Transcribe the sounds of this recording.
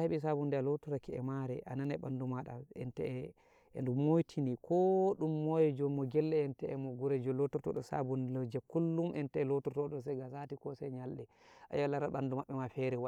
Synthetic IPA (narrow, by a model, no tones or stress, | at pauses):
heɓis̬abundɛalotuɾakɛɛ̰maɾɛ̰ʔananɛɓandumaɗa̰ɛ̰ntɛ̰ | ɛ̰ndumojtʰinikʰɔɗumːɔjɛd͡ʒɔmːɔɡɛlːɛɛntɛʔɛmɔɡuɾɛd͡ʒɔlotuɾtɔ̰ɗɔsa̰bunlɔd͡ʒɛkulːumʔɛntɛɛlotuɾtɔɗɔs̬ɛɡasatikɔsɛɲalɗɛ | ʔa̰jalaɾaɓandumaɓːɛmafɛɾɛwa